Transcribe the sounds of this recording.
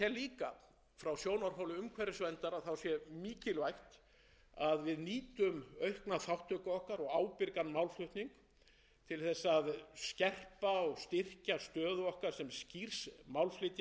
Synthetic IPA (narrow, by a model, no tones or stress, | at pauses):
ɛliːka | fɾawsjoːwnaɾ̥ɦawlɪʏʏmkʰvɛɾɪsvɛnt̪aɾaθawsjɛmiːcɪlvajht̪ | aðvɪðniːt̪ʏmœɥhknaθawht̪œkaɔhkaɾɔɣaːwpɪɾkanːmawlflʏht̪niŋk | t̪ʰɪlθɛsːaðscɛr̥paɔɣst̪ɪr̥cast̪œːðʏɔhkaɾ̥sɛmscir̥smawlflɪt̪ja